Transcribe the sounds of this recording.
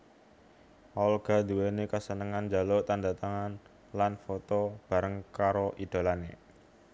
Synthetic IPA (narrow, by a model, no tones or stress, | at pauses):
ɔlɡ̥a̤d̪uwenekəsənəŋand͡ʒa̤lot̪andat̪aŋan | lanfot̪ob̥a̤ɾəŋkaɾoʔid̪̥o̤lanḛ